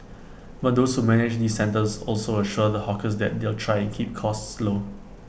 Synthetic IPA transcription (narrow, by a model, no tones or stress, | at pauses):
bat̚doshumɛnɪd͡ʒdisːɛ̃ntəsɔ̰lsoəʃuədəhɔkəsdɛ̰t̚d̪eltʰɹaɪɛ̃nkʰip̚kʰɔstslo